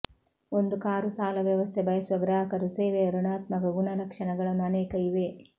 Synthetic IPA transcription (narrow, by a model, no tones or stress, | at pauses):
ond̪ukaːɾusaːlɐʋjɐʋɐst̪ʰebʱɐjɐsuʋɐɡɾaːɦɐkɐɾuseːʋeɾuɳaːt̪mɐkɐɡuɳɐɾɐkʂɐɳɐɡɐɭɐnːuɐneːkɐjiʋe